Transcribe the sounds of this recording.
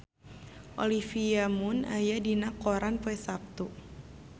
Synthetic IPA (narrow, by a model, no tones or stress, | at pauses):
ʔolifiamʊna̰jadinakoɾanpɛsap̚t̪u